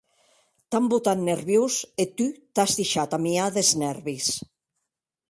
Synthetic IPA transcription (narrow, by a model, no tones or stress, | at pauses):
t̪ambut̪anːeɾβjuset̪yt̪azðiʃat̪amiaðeznɛɾβis